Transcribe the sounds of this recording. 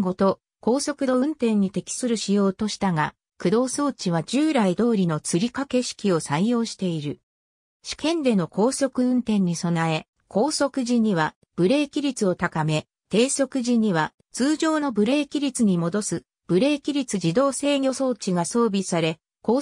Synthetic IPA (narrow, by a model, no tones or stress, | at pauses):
ɡo̞t̪o̞ | ko̞ːso̞kɯ̟d̪o̞ɯ̟̃nt̪ẽ̞ɲ̟ːit̪e̞kʲi̥sɨɾɯ̟ɕijo̞ːt̪o̞ɕi̥t̪aɡa | kɯ̟d̪o̞ːso̞ːt͡ɕiβ̞ad͡ʑɨːɾaid̪o̞ːɾʲino̞t͡sɨɾʲikake̞ɕi̥kʲio̞saijo̞ːɕi̥t̪e̞iɾɯ̟ | ɕi̥kẽ̞nd̪e̞no̞ko̞ːso̞kɯ̟ɯ̟̃nt̪ẽ̞ɲ̟ːiso̞nae̞ | kʰo̞ːso̞kɯ̟ʑiɲ̟iβa | b̥ɯ̟ɾe̞ːkʲiɾʲit͡sɨo̞t̪akame̞ | t̪e̞ːso̞kɯ̟ʑiɲ̟iβa | t͡sɨːʑo̞ːno̞bɯ̟ɾe̞ːkʲiɾʲit͡sɨɲ̟imo̞d̪o̞sɨ | b̥ɯ̟ɾe̞ːkʲiɾʲit͡sɨd͡ʑid̪o̞ːse̞ːɡʲo̞so̞ːt͡ɕiɡaso̞ːbʲisaɾe̞ | koː